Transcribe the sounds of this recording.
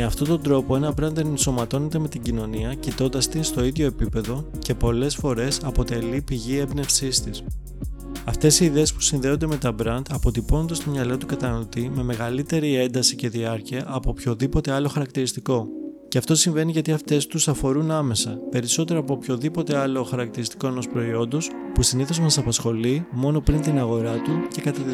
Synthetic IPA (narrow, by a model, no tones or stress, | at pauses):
meɐft̪o̞t̪o̞nd̪ɾo̞po̞e̞nɐbɾɐnt̪enenso̞mɐt̪o̞ne̞t̪e̞me̞t̪iɟino̞niɐcit̪o̞nd̪ɐst̪inst̪o̞iðʝo̞e̞pipe̞ðo̞ce̞po̞le̞sfo̞ɾe̞sɐpo̞t̪e̞lipiʝie̞bne̞fsist̪is | ɐft̪e̞siːðe̞ːspu̥sinðe̞o̞nd̪e̞me̞t̪ɐbɾɐnd̪ɐpo̞t̪ipo̞no̞nd̪ɐst̪o̞mɲɐlo̞t̪ukɐt̪ɐnɐlo̞t̪ime̞me̞ɣɐlit̪e̞ɾie̞nd̪ɐsice̞ðiɐɾciɐʔːpo̞pço̞ðipo̞t̪e̞ɐlo̞xɐɾɐk̚t̪iɾist̪iko̞ceɐft̪o̞siɱve̞niʝɐt̪iɐft̪e̞st̪usɐfo̞ɾunɐme̞sɐpe̞ɾiso̞t̪e̞ɾoɐpo̞pço̞ðipo̞t̪e̞ɐlo̞xɐɾɐk̚t̪iɾist̪i̥ko̞e̞no̞spɾo̞io̞nd̪o̞s | pusiniθo̞zmɐsɐpɐsxo̞limo̞no̞pɾint̪inɐɣo̞ɾɐt̪uce̞kɐt̪ɐt̪i